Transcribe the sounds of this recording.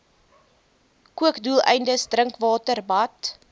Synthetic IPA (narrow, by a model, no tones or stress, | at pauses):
kuəkdulˠɛ̰jndəsdrəŋkvɑːtərbɐt